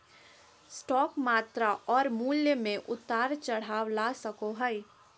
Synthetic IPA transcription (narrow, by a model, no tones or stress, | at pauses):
sʈɔːkmaːt̪ɾaʔɔːɾmuːljəmẽʔʊt̪aːɾt͡ʃəɽ̤aːwlasəkoɦəi